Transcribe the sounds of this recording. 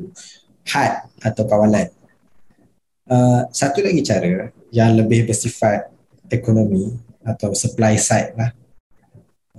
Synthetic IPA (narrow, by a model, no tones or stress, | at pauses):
hat̪̚at̪awkawalan | əsat̪ulaɡit͡ʃaɾə | jaŋləbɪhbərsifat̪̚ | ekonõmĩ | at̪awsəplajsajt̪̚lah